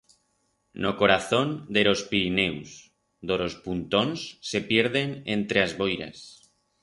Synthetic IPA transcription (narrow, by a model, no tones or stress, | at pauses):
noko̞ɾaθo̞nd̪e̞ɾo̞spiɾinews | d̪oɾo̞spunt̪onsːe̞pje̞ɾð̞e̞nḛnt̪ɾeazβo̞jɾa̰s